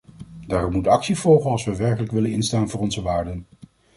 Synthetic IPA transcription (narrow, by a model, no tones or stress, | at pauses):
daːrɔmmutɑksiv̥ɔlˠχənɑlˠsʋəʋɛɹkələkʋɪlənɪnstaːnvʊːrɔnzəʋaːɹdən